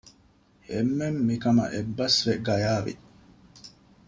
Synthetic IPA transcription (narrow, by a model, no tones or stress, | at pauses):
emːemːikɐmɐ̰ʔebːɐsʋeɡɐjaːʋḭ